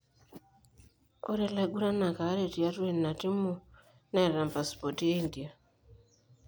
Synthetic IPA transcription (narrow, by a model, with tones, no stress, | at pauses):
o̰˦ɾɛ˦la˦ɡu˦ɾa˦na˨ka˨˦ɾe˦˨ti˨a˦tu˦e˨nːa˨ti˦mu˦ | na˦˨ɾa˨mpa˨spɔ˨ti˦e˦i˦ndi˨a˨